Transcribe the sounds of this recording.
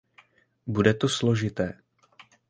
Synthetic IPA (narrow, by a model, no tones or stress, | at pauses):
budɛt̪o̞slo̞ʒɪt̪ɛː